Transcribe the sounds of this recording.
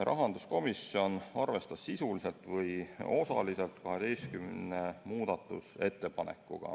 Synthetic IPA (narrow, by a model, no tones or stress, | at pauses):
rʔɑ̰ɦɑnd̪usko̞misːio̞nɑrve̞st̪ɑssisulise̞lt̪ˑvɤjo̞sɑ̰lise̞lt̪kɑɦe̞d̪̥e̞jst̪kymne̞muːd̪̥ɑt̪ːˑṵse̞t̪ːe̞pɑne̞̰kːˑṵɡ̥ɑ̰